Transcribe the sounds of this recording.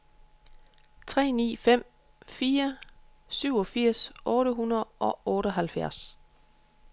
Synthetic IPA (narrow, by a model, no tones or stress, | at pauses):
t͡sʰʁɛ̰ːnḭːfem̰ | fiːɐ | syʊɒ̽fiɐ̰sʔɔ̽ːɾəɦunɐð̩ˠʔɒ̽ʔɔːɾəɒɦælfjæɐs